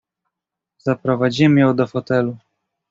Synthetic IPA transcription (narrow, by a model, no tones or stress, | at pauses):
z̥apɾɔvad͡ʑimɘjɔ̃w̃d̪ɔfɔt̪ɛlu